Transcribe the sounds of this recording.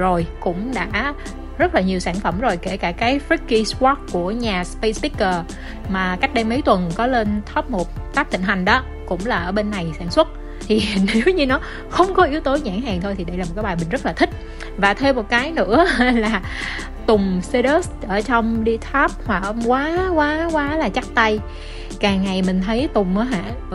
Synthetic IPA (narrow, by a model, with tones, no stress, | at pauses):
zo˨˩jkʊ̰˧˥ŋ͡mɗa̰ː˧˥ | zə˦˥t̚laː˨˩ɲi˨˩əwsaː˧˩nfə˧˩mzo˨˩jke˧˩kaː˧˩kaː˨˦jfɹi˦˥kːi˧swɔ˦˥kkːu˧˩əɲaː˨˩spə˧sti˦˥kːəː˨˩ | maː˨˩ka˦˥jk̟̚ɗe˧mə˨˦jt̪wə˨˩nkɔ˨˦le˧nt̪ʰə˦˥p̚mo˨˩t̚t̪aː˦˥k̚t̪ḭ˧˨ŋ̟ha˨˩jŋ̟ɗɔ˨˦ | kʊ̰˧˥ŋ͡mlaː˨˩ʔəː˧˩ɓe˧nːa˨˩jsaː˧˩nswə˦˥t̚ | t̪ʰi˨˩ne˨˦wɲɨ˧nɔ˨˦ | xə˧wŋ͡mkɔ˨˦ʔi˨˦əwt̪o˨˦ɲa̰ː˧˩ŋɦaː˨˩ŋt̪ʰo˧jt̪ʰi˨˩ɗə˧jlaː˨˩m̚˨˩kːaː˨˦jɓaː˨˩jmï˨˩ŋ̟zə˦˥t̚laː˨˩t̪ʰï˦˥k̟̚ | vaː˨˩t̪ʰe˧mo˨˩t̚kaː˨˦jnɨ̰˧˥əlaː˨˩ | t̪ʊ˨˩ŋ͡mse˧ɗəː˦˥sʔəː˧˩t͡ɕɔ˧wŋ͡mɗi˧t̪ʰaː˦˥p̚hwa˨˩ʔə˧wŋ͡mkwaː˨˦kwaː˨˦kwaː˨˦laː˨˩t͡ɕa˦˥k̚t̪a˧j | kaː˨˩ŋːa˨˩jmï̟˨˩t̪ʰə˨˦jt̪ʊ˨˩ŋ͡mʔəː˨˦ɦa̰ː˧˨